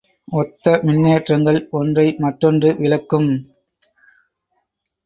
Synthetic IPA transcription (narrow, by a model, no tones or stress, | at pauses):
ɔt̪ːɐmɪnːeːʈrɐŋɡɐɭɔndrɐɪmɐʈːɔndrɯʋɪlɐkːɯm